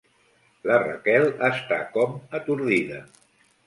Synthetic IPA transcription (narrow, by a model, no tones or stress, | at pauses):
lərə̰kɛlˠəst̪akɔmət̪uɾðiðə